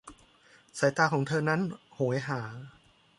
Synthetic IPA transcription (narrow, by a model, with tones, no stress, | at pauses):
sa˨˦jt̪aː˧kʰɔː˩˦ŋt̪ʰɤː˧na˦˥nhoː˨˩˦jɦaː˩˦